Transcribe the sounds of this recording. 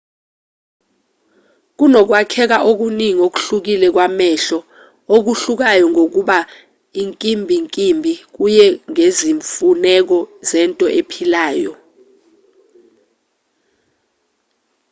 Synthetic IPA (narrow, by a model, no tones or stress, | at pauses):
k̬unɔk̬wakʰɛk̬aʔok̬uniŋok̬u̥ɬuk̬ilɛk̬wamɛɬɔ | ok̬uɬuk̬ajɔŋok̬uɓa | iŋkʼimbʱiŋkʼimbʱik̬ujɛŋeziɱfunɛk̬ɔzɛntʼɔʔepʰilaːjɔ